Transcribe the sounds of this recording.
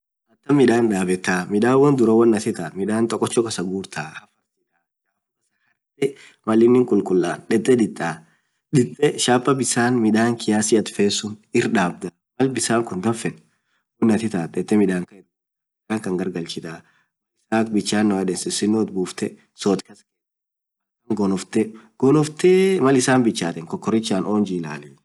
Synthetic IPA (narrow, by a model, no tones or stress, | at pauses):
mɐt̪ːɐmɪᶑaːnᶑaːbɛt̪ːaːmɪᶑaːwɐnd̪ʊɾɐwɐnːɐt̪ɪt̪aːmɪᶑaːnt̪ʼɔkʼːɔt͡ʃːɔkɐsɐɡuːɾt̪ʰaːhɐfɐɾsɪᶑaː | aː | ɐsɐ | ɾt̪ːɛ | mɐlɪnːɪŋkʼʊlkʼʊlːaːnᶑɛt̪ʼːɛd̪ɪt̪ʼːaː | ᶑɪt̪ʼːɛʃaːpːɐbɪsaːnmɪᶑ̪aːŋkɪjaːsɪɐt̪feːsːʊnɪɾᶑaːb̚d̪a | mɐlbɪsaːŋkʊnd̪ɐfɛn | fʊnːɐt̪ɪt̪aːt̪ʼɛt̪ʼːɛmɪᶑ̪aːŋkɐɛt̪ | ɪd̪aːŋkɐŋɡɐɾɡɐlt͡ʃɪt̪aː | mɐlɪsaːkbɪt͡ʃːaːnːɔɐd̪ɛnsɪsɪnːoːt̪buːft̪ɛ | soːt̪kɐskeː | ɐkːɐŋɡɔnɔft̪ɛɡ̥ɔnɔft̪ɛmɐlɪsaːnbɪt͡ʃːaːt̪ɛŋkɔkːɔɾɪt͡ʃːaːnoːnd͡ʒiːla̰ːliː